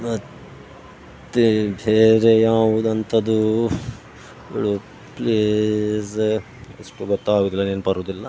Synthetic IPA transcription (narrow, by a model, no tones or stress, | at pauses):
mɐt̪ | ebʱeːɾejaːʋud̪ɐnt̪ʰɐd̪u | ḭɭu | pliːs | ɐ̰ʂʈuɡɔt̪ːaːɡoːd̪ilːɐneːnupɐɾoːd̪ilːɐ